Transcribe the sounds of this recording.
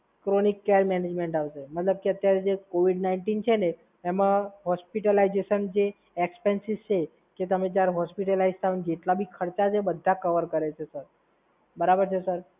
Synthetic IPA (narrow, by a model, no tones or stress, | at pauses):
kɾonikːeɾmɛned͡ʒmeɳʈaʋʃemət̪ləb̚keət̪jaɾed͡ʒekoʋiɖnaiɳʈint͡ʃʰene | emãɦɔspiʈəlaid͡ʒeʃənd͡ʒe | ekspensizt͡ʃʰe | ket̪əmẽd͡ʒjaɾɦɔspiʈəlaid͡ʒt̪aʋnd͡ʒeʈlabʱikʰəɾt͡ʃat͡ʃʰebəd̪ʱːakəʋəɾkəɾet͡ʃʰesəɾ | bəɾabəɾt͡ʃʰesəɾ